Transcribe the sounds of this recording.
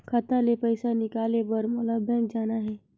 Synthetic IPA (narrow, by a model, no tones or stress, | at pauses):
kʰət̪alepəɪsanɪkaːlebəɾmʊlabʱə̃ɡd͡ʒaːnaɦɛː